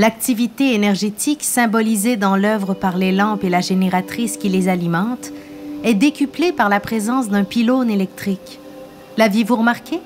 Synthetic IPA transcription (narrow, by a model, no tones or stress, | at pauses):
lak̚t̪ivit̪eenɛʁʒet̪ʰiksɛ̃bɔlized̪ɑ̃lœvʁəpaʁlelɑ̃pelaʒeneʁat̪χiskʲilezalimɑ̃t̪ | ɛd̪ekʲyplepaʁlapχezɑ̃sd̪ɛ̃pilonelɛk̚t̪χik | lavjevuʁəmaʁkʲe